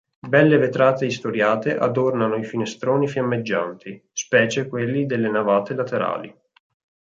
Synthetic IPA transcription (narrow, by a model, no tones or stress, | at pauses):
bɛlːevet̪ɾaːt̪eist̪oɾjaːt̪eʔa̰d̪ornanoifinest̪ɾoːnifjamːed͡ʒːa̰nt̪ʰispɛːt͡ʃekwelːid̪elːenavaːt̪elat̪eɾa̰ːlḭ